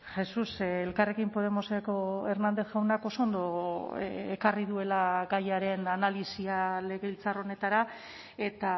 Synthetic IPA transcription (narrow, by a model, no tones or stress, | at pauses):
xe̞suselkare̞kimpo̞ðe̞mo̞sekoe̞ɾnand̪e̞θɣawnako̞soːnd̪o̞ | ekariðue̞laɡajaɾe̞nanalisiale̞ɣe̞ilt͡saro̞ne̞t̪aɾa | e̞t̪a